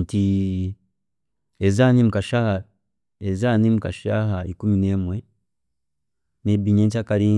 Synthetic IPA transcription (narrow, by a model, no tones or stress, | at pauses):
nti | ezaːnimukaʃaha | ezaːnimukaʃaːɦaikumine̞ːmwe | nebiɲeɲc̬akaliː